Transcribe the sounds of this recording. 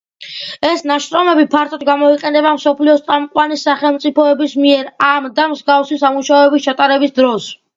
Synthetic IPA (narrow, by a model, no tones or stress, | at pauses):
ɛsnaʃɾɔmɛbipʰaɾt̪ʰɔd̪ɡamɔiqʼɛnɛbamsɔpʰliɔst̪sʼamqʼwanisːaχɛlˠmt̪sʼipʰɔɛbismiɛɾamd̪amzɡafsisamuʃaɔɛbist͡ʃʰat̪ʼaɾɛbisd̪ɾɔs